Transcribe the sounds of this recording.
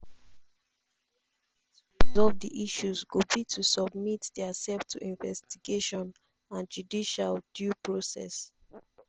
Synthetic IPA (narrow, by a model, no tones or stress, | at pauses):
zɔdiʔiʃuzɡubitʰusɔb̚mitdɛasɛftʰuʔĩnvɛstiɡeʃɔ̃n | ãnd͡ʒudiʃaldjupɹosɛ̰s